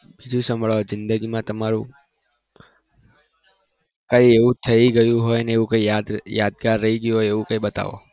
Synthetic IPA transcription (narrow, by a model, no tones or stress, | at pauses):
bid͡ʒũsə̃mbʱɭʋazɪ̃nd̪əɡimãt̪əmaɾṵ̃ | kaieʋũt̪ʰəiɡəjũɦojneeʋũkaiad̪jad̪̚ɡaɾːəiɡjuɦojeʋũkaiɓət̪a̰ʋo̰